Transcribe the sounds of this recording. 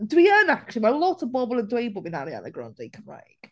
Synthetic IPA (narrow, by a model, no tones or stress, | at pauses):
d̥əwiəːnak̚t͡ʃlˠiwɛlɔtʰəvbɔbəlˠə̃ndweɪbɔbɪ̃na̰lia̰nəɡɹã̰ndekʰə̃mɹa̰ɪk